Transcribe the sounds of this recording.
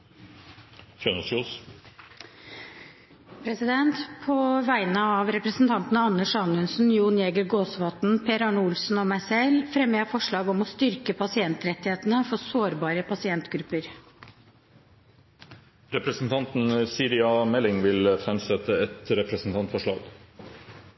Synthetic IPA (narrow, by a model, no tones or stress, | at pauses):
fjønəsus | pʰɾɛsɪd̪ɛnt̪pʰoːʋæɪnəɑːʋɾɛpɾəsn̩t̪ʰɑnt̪n̩əɑnːəʂɑnʉnsn̩juːnjeːɡəɾɡoːsʋɑːt̪n̩pʰeːɾɑɳʊlsn̩ɔːmæɪsɛlfɾɛmːəɑfɔʂɭɑːɡɔmɔst̪ʏɾkəpʰɑsɪɛnt̪ɾɛt̪ːɪheːt̪nəfɔsoːɾbɑːɾəpʰɑsɪɛnt̪ɡɾʉpːəɾ | ɾɛpɾəsn̩t̪ʰɑnt̪n̩siːɾɪɑmɛlɪŋʋɪlfɾɛmsɛt̪əɛt̪ɾɛpɾəsn̩t̪ʰɑnt̪fɔʂɭɑ̰ːɡ